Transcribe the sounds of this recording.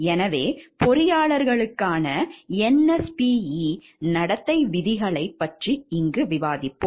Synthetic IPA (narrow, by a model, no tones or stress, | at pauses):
ɛnɐʋeːpɔɾɪjaːɭɐɾɣɐɭɯkːaːnɐɛnɛspiːi | nɐɽɐt̪ːɐɪʋɪðɪɣɐɭɐɪpːɐʈriɪŋɡɯʋɪʋaːðɪpːo